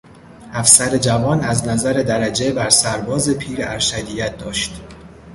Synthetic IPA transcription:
ʔæfsæɾe̞d͡ʒævɒːnæznæzæɾe̞d̪æɾæd͡ʒe̞bæɾsæɾbɒːze̞pʰiːɾæɾʃæd̪ijæt̪̚d̪ɒːʃt̪

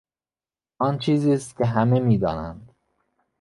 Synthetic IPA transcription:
ɒːnt͡ʃʰiːziːst̪̚kʲʰeɦæmemiːd̪ɒ̰ːnæ̰nd̪

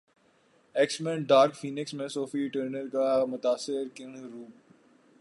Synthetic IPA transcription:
ɛːksmẽːɖaːɾkfiːnɪksmẽsoːfiʈəːɾnəɾkamʊt̪aːsɪɾkɪɳ̃ɾuːp̚

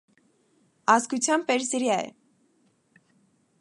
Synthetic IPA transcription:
ɑzɡut͡sʰjɑmpɛɾsiɾjɑɛ̰

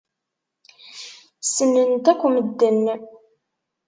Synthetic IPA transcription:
sənːənt̪ækʷːməd̪ːənː

